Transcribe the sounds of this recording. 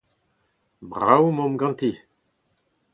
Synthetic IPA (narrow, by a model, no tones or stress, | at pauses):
bʁawmɔ̃mɡɑ̃nt̪i